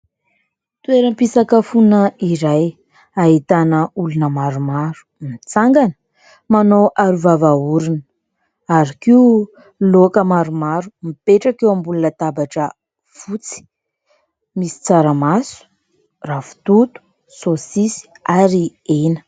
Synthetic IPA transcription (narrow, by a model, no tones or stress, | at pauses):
t̪ueɾəmpisakəfunəiɾaj | aɦit̪anəulunəmaɾumaɾu̥ | mit͡saŋɡanə̥ | manowʔaɾuvavauɾunə | aɾikiu | lokəmaɾumaɾumipeʈ͡ʂakewambulunət̪abaʈ͡ʂə | fut͡si̥ | misi̥t͡saɾəmasu̥ | rafu̥t̪ut̪u̥ | sosisi̥aɾi | enə̥